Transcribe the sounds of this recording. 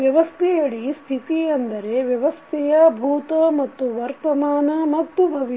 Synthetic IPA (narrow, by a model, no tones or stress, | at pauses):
ʋjɐʋɐst̪ʰɛjɐɭist̪ʰit̪iɐnd̪ɐɾe̞ʋjɐʋɐst̪ʰɛjɐbʱuːt̪ɐmɐt̪ːuʋɐɾt̪ɐmaːnɐmɐt̪ːubʱɐʋi